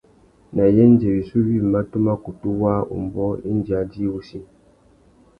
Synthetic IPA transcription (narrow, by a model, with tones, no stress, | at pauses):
na˨jɛ˦n˦d͡ʒɛ˨ɾi˨su˦βi˦˨ma˦tu˦ma˦ku˨tu˦wa˦ṵ˨m˨bɔ˦i˦n˦d͡ʒa˨˦d͡ʒi˦u˦si˦